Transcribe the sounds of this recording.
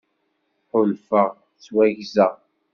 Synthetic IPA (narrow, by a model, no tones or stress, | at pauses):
ħʊlfəʁ | t͡sːwæʝzə